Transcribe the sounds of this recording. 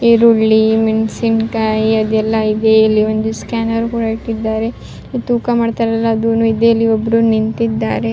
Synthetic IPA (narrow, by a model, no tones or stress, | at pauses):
iɾuɭːimensinkaːjɐd̪ɛlːɐid̪eɐlːiond̪uskaːnɐʋɾukuːɽaiʈːid̪ːaːɾe̞ | t̪uːkamaːɖt̪aːɾɐlːɐːd̪unuid̪eːɐlːiobːɾunint̪id̪ːa̰ːɾe̞